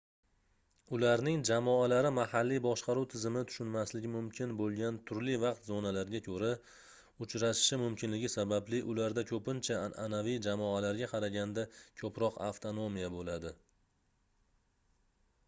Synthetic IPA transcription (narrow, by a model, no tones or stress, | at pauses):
ʊlaɾnɪŋd͡ʒamɒalaɾɪmahalːijbɒʃqɑɾuwt̪ʰɪzɪmɪt̪ʰʊ̥ʃʊnmaslɪɡʲɪmʊmkʲʰɪnbolˠɡʲant̪ʰʊɾlɪvɑq̚t̪zonalaɾɪɡʲakʲʰɵɾa | ʊt͡ʃʰɾaʃɪ̥ʃɪmʊmkʲɪnlɪɡʲɪsabablɪʔʊlaɾd̪akʰɵpɪnt͡ʃʰaa̰navijd͡ʒamɒalaɾɡʲaqʰɑɾaɡʲand̪akʲʰɵpɾɒqa̰ft̪ʰonomijabolad̪ɪ